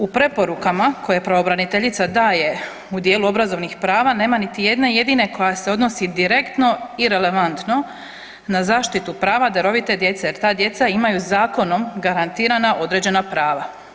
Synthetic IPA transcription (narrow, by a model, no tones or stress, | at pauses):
upɾe̞po̞ɾukamakʰo̞jepɾaʋobɾanit̪e̞ʎit̪sad̪aːje̞ | ud̪jeːluo̞bɾazo̞ʋnixpɾaːʋane̞ːmanit̪ije̞d̪neje̞d̪iːneko̞jase̞o̞d̪no̞sid̪iɾe̞kt̪no̞iɾe̞le̞ʋant̪no̞ | nazaːʃt̪it̪upɾaːʋad̪aɾo̞ʋit̪e̞d̪je̞t̪seje̞ɾt̪aːd̪je̞t̪saimajuzaːko̞no̞mɡaɾant̪iːɾanaʔo̞d̪ɾe̞d͡ʑe̞napɾaːʋa